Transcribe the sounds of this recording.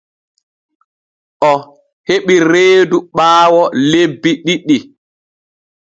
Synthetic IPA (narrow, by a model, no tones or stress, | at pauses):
ʔɔ | heɓiɾeːduɓaːwɔlebːiɗiɗi